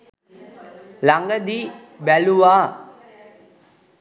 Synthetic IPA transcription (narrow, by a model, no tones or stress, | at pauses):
laŋɡəd̪i | bæluʋaː